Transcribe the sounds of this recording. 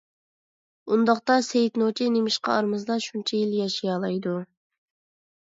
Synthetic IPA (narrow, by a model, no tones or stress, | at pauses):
und̪ɑqt̪ɑsejt̪not͡ʃʰinemɪʃqɑ̰ɑɾmɨzd̪ɑʃunt͡ʃʰɛjiljɑʃijɑːlˠɑjd̪u